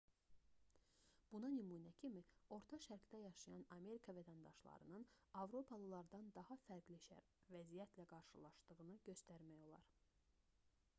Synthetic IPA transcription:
b̥unɑnymuːnæcʰimio̞ɾt̪ʰɑʃæɾkd̪æjɑʃɯjɑnɑme̞ɾikʰɑvæt̪ʰænd̪ɑ̰ʃlˠɑ̰ɾɯ̰nɯnɑvɾo̞pʰɑlˠɯlˠɑɾd̪ɑnd̪ɑhɑfæɾɡliʃæ̰ɾ | væzijæt̪ʰlæɡɑɾʃɯlˠɑ̰ʃd̪ɯʁɯnɯɟø̞st̪æɾmæjo̞lˠɑ̰ɾ

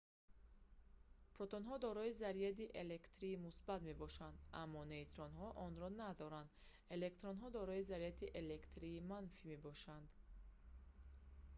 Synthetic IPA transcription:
pʰɾɔt̪onɦɔd̪ɔɾɔizaɾiat̪iʔele̞kt̪ɾiːmusbat̪me̞bɔʃand̪a̰mːɔneit̪ɾɔnɦɔʔɔnɾɔnad̪ɔɾand̪ | e̞le̞kt̪ɾonɦɔd̪ɔɾɔizaɾiat̪ʰiʔelekt̪ɾiːmanfime̞bɔʃand̪

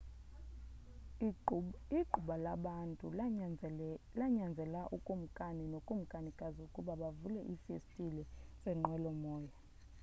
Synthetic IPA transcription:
iǃʱuɓalaɓantʼu | laɲand͡zʱɛlaʔukʼum̩kʼaninokʼum̩kʼanikʼazɔukʼuɓaɓavulɛʔifistʼilɛsɛŋ͡ǃʱwɛlɔmɔːja

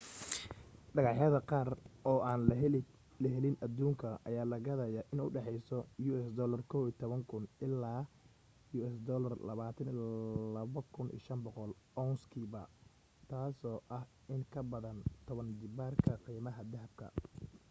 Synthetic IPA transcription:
ɖɐɣɑħjɐðɐqɑːrɔːaːn | lɐɦɛlɪnʔɐd̪uːŋkʰɐʔɐ̰jaːlɐɣɐðɐjaʔɪnʊɖɛħɛjsɔjuːɛsd̪ɔːlɐrkʰɔwiːt̪ʰɔβɐŋkʰʊnʔɪlːaː | juːɛsd̪ɔːlɐrlɐ̰βaːt̪ʰɐnilɐβɐkʰʊnḭːʃɐmbɔqɔl | ɔnskʰiːbɐ | t̪ʰaːsɔːʔɐh | ɪŋkʰɐbɐðɐnt̪ʰɔβɐnd̪ɪbaːrkʰɐqiːmɐɦɐd̪ɐɦɐb̚kʰɐ̰

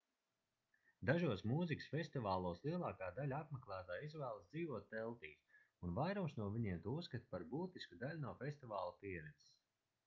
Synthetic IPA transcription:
d̪aʒuɔsmuːziksfʲesʲt̪ivaːlˠuɔːslˠiɛlˠɑːkaːd̪alʲaapmeklˠæːt̪aːizvæːlˠasd̪ziːvuɔt̪̚ːɛlˠt̪iːs | unvajɾumsnuɔviɲiɛːmt̪uːskat̪paɾbuːt̪iskud̪alʲunawfʲest̪ivaːlˠapiɛɾɛnsss

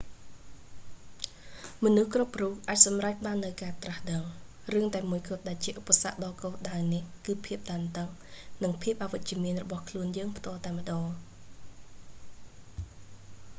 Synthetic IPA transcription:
mɔnuhkrupruːk̚ʔaːc̚sɑmrac̚ɓaːnːɨwkaːt̪rahɗəŋ | rɨəŋt̪aɛmuəjkʊ̆ət̪̚ɗaɛlt͡ɕiəʔupːasa̰ʔɗɑːkoːlɗaənihkɨːpʰiəp̚ɗ̪aːnt̪əŋnɨŋpʰiəp̚ʔaːʋɨc̚t͡ɕĭəmiənrɔɓɑhkʰluənjəːŋpʰt̪ŏəlt̪aɛmə̆ɗɑː

